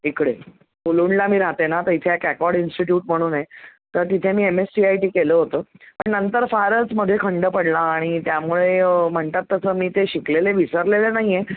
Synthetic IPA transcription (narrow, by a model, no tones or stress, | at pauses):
ikɽe | uluːɳlamiːɾaɦt̪enat̪əit̪ʰeekækɔɽinsʈiʈjuːʈ̚m̤əɽ̃uːnet̪əɾt̪it̪ʰemiːemesʈiajʈiːkeləːɦot̪əːpəɳnənt̪əɾfaɾəsməd̪ʱːjekʰəɳɖəpəɽlaːɽ̃it̪jamuɭem̤əɳt̪at̪ːəsəːmiːt̪eɕikleleʋisəɾlelenaɦije